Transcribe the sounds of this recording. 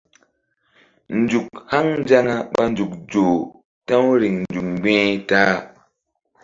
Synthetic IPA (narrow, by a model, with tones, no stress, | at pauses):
n̩˦d͡ʒu˨k̚ha˦ŋnd͡ʒa˦ŋa˦ɓa˦n˦d͡ʒu˨k̚d͡ʒo˨ | ta˦wɾi˨ŋn˨d͡ʒu˨k̚ŋ͡mɡ͡bẽ˦ta˦